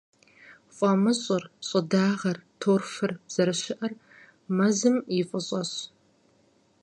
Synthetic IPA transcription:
fʷʼɐmɨɕʼɪrɕʼɨdaːʁɐrtʰoːrfɨrz̥ɐɾɨɕɪʔɐr | mɐzɨmjɪfʼɨɕʼɐɕ

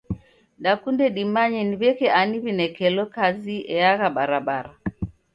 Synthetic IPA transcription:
dakundɛɗimaɲɛniβɛkɛʔaniβinɛkɛlɔkaziɛaɣaɓaɾaɓaɾa

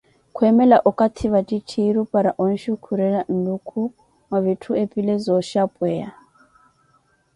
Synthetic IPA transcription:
kʰwɛmɛlaʔɔkʼat̪ʰiβatʼit͡ʃʰiɾupʼaɾaʔɔn̩ʃikʰuɾɛlan̩lukʰu | maβitʰuepʼilɛzɔʃapʼwɛja

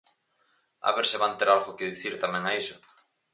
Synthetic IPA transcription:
a̰βeɾseβant̪eɾalɣokeðiθiɾt̪amẽŋaisʊ

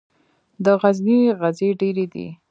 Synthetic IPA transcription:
d̪əɣazniɣazeɖeɾed̪ḭ

